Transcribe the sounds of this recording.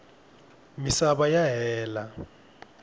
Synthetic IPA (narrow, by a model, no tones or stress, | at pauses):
misaɓajaɦɛːla